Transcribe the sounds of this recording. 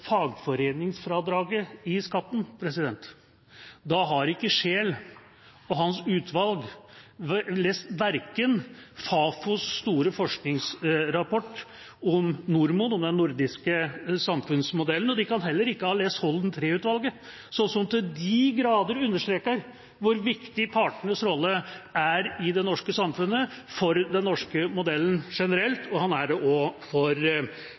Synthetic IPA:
fɑːɡfɔɾeːnɪŋsfɾɑd̪ɾɑːɡəɪskɑt̪ːn̩pʰɾɛsɪd̪ɛnt̪ | d̪ɑɦɑɾɪkːəʂeːl | ɔɦɑnsʉːt̪ʰʋɑlɡ | leːst̪ʋæɾkənfɑːfʊsːt̪uːɾəfɔʂknɪŋsɾɑpʰɔʈː | ɔmnʊɾmʊnɔmd̪ɛnːʊɾd̪ɪskəsɑmfʉnsmʊd̪ɛlənɔd̪ɪkɑnɦɛlːəɾɪkːəhɑːleːst̪hɔld̪nt̪ʰɾeːʉːt̪ʋɑlɡə | sɔsɔmt̪ɪd̪ɪɡɾɑːd̪əɾʉnːəʂt̪ɾeːkəɾ | ʋʊɾʋɪkt̪ɪpʰɑʈəɳəsɾɔlːəæɾɪd̪ɛnɔʂkəsɑmfʉnːəfɔɾd̪ɛnːɔʂkəmʊd̪ɛlːən̩ʂɛnəɾɛlt̪ʰɔhɑnæɖɛʔɔfɔɾ

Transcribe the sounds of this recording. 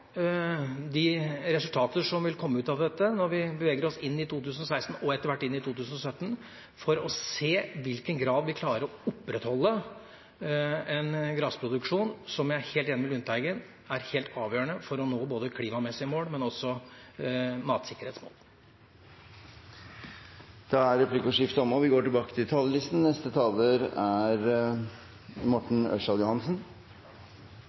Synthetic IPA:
d̪ɪɾɛsʉlt̪ʰɑːt̪əʂɔmʋɪlkʰɔmːəʉːt̪ɑʋd̪ɛt̪ːənɔɾʋɪbəʋeːɡəɾɔsɪnːɪt̪ʰuːt̪ʰʉːsənɔsæɪst̪n̩ɔɛt̪ːəɾʋæʈːɪnːɪt̪ʰuːt̪ʰʉːsən̩ɔsœt̪ːn̩ | fɔɾɔseːʋɪlkənɡɾɑːd̪ʋɪkʰlɑːɾəɾɔʊpːɾɛt̪hɔlːə | ɛnɡɾɑːspʰɾʊd̪ʉkʂuːnsɔmjæɪheːlt̪jɛnəʋɪlʉnt̪ʰæɪɡən | æɾheːlt̪ɑːʋjøːɳəfɔɾɔnoːboːd̪əkʰliːmɑmɛsɪəmoːlmɛnɔsɔ | mɑːt̪sɪkːəɾheːt̪smo̰ːl | d̪̥ɑæɾɾɛpʰliːkɔʂɪft̪əɔmɔʋɪɡoːʈɪlbɑːkə̥t̪ʰɪlt̪ʰɑːlːəlɪst̪n̩nɛst̪ət̪ʰɑːləɾæɾ | mɔʈɳ̩œ̰ʂɑljʊhɑnsn̩

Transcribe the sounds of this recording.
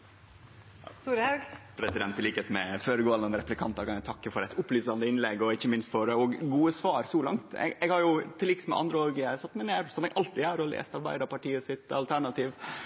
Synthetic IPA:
st̪uːɾɑɡpʰɾɛsɪd̪ɛnt̪ɪliːkəet̪mɛføːɾəɡoːɑlənəɾɛplɪkʰɑnt̪ɑkʰɑnæt̪ʰɑkːəfɔɾɛɪt̪ʊplyːsɑnd̪əɪnlɛɡːɔɪçːəmɪnst̪fɔɖɛɔɡɡuːəsʋɑːɾsɔlɑ̰ŋt̪ɛ̰ɡɛɡhɑɾjʊt̪ʰɪlɪksmɛ̰ʔɑ̰nd̪ɾəoːɡjæsɑt̪ːmɛneːɾsɔmɛɡʔɑlt̪ɪæɾɔlḛːst̪ɑɾbæ̰ɪd̪əpɑʈiːəsɪt̪ɑ̰lt̪ʰæɳɑt̪ʰiːʋ

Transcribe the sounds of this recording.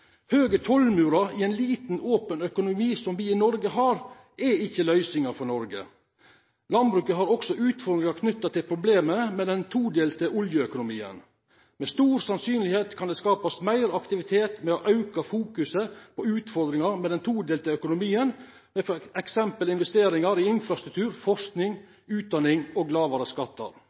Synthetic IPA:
høːɡət̪ʰɔlmʉːɾɑɪɛnliːt̪n̩oːpənœkʊnʊmiːsɔmʋiɪnɔɾɡəɦɑːɾ | ʔɛɪçːəlœʏsɪŋɑfɔɳɔɾɡə̰ | lɑnbɾʉːkəɦɑɾɔksɔʔʉːt̪fɔɾd̪ɾɪŋɑɾkʰnʏt̪ːɑt̪ɪlpʰɾʊbleːməmɛd̪ɛnt̪ʰuːd̪eːlt̪ʰɪʊljəœkʊnʊmḭːə̰n | mɛst̪uːɾsɑnsyːnlɪheːt̪kʰɑnd̪ɛskɑːpɑsmæɪɾɑkt̪ɪʋɪt̪ʰeːt̪mɛɔʔɑʉkɑfuːkʉsəpʰɔʉːt̪fɔɾd̪ɾɪŋɑɾmɛd̪ɛnt̪ʰuːd̪eːlt̪ɪlœkʊnʊmiːən | mɛfɛksɛmpəlɪnʋɛst̪eːɾɪŋɑɾiɪnfɾɑst̪ɾʉk̚t̪ʰʉːɾfɔʂknɪŋ | ʉːt̪̚d̪ɑnɪŋoːɡlɑːʋɑɾəskɑt̪ːɑ̰ɾ

